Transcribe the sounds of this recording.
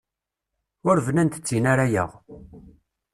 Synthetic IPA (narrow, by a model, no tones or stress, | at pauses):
ʊɾvənænt̪ə̥t͡sːinaɾajə̰ʁ